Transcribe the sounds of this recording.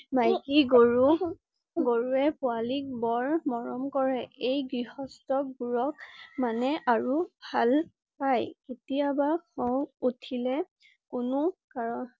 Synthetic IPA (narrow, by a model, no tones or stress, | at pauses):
majkiɡoɹu | ɡoɹuɛpʊalik̚bɔɹmɔɹɔmkɔɹɛejɡɹihɔstɔk̚buɹɔkmanɛʔaɹubʱal | pajketijabaxɔwutʰilɛ | kʊnʊkaɹɔ